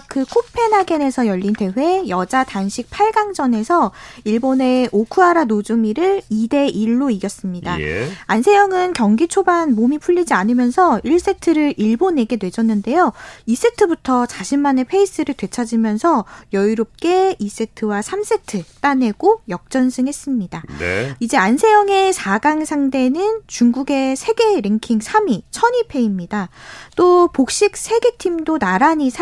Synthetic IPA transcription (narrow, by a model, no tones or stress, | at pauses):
kɯkʰopʰe̞naɡene̞sʰʌjʌʎːinte̞ɸwe̞jʌd͡ʑatanɕʰik̚pʰaɭɡaŋd͡ʑʌne̞sʰʌiɭbone̞okʰuaɾanod͡ʑumiɾɯɭide̞ʔiɭːoiɡjʌs͈ɯmɲidaansʰe̞jʌŋɯnkjʌŋɡit͡ɕʰobanmomipʰuʎːid͡ʑianɯmjʌnsʰʌiɭs͈e̞tʰɯɾɯɾʔiɭbone̞ɡe̞dwe̞d͡ʑʌnːɯnde̞jois͈e̞tʰɯbutʰʌsaɕʰimːane̞pʰe̞is͈ɯɾɯɭtwe̞t͡ɕʰad͡ʑimjʌnsʰʌjʌiɾop̚k͈e̞is͈e̞tʰɯwasʰams͈ʰe̞tʰɯt͈ane̞ɡ̥ojʌk̚t͡ɕ͈ʌnsʰɯŋɦe̞s͈ɯmɲidaid͡ʑe̞ansʰe̞jʌŋe̞sʰaɡaŋsʰaŋde̞nɯnt͡ɕuŋɡuɡe̞sʰe̞ɡe̞ɾeŋkʰiŋsʰamit͡ɕʰʌɲipʰe̞imɲidat͈opok̚ɕ͈ik̚sʰe̞ɡe̞tʰimdonaɾaɲisʰ